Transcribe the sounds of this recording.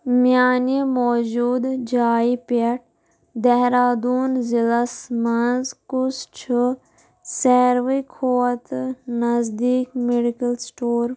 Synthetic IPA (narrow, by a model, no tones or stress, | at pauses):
mjaːnemɔːd͡ʒuːd̪d͡ʒaːipɐʈ̚ | d̪ɛɦɾaːd̪uːnzilɐsmɐnzkʊst͡ʃʰu | seːɾʋikʰoːɐt̪nɐzd̪iːkmeɖikɐlsʈoːɾ